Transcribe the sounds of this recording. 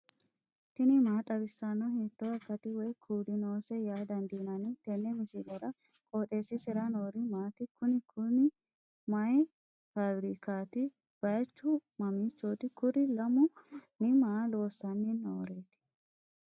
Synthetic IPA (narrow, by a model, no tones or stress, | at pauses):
t̪ɪnɪmaːt̪ʼɐbɪsːanːɔhet̪ːɔɐkːɐt̪ɪwɔjkʰuːd̪ɪnoːsɛjaːd̪ɐnd̪iːnɐnɛt̪ɛnːɛmɪsɪlɛɾɐ | kʼoːt̪ʼeːsɪsɛɾɐnoːɾɪmaːt̪ɪkʊnɪkʰʊnɪ | mɐj | fabɾikaːt̪ɪ | b̥ɐjɐt͡ʃːʊmɐmiːt͡ʃːoːt̪ɪkʊɾɪlɐmʊnɪmaːlo̞ːsːɐnːinɔwɔɾeːt̪ɪ̥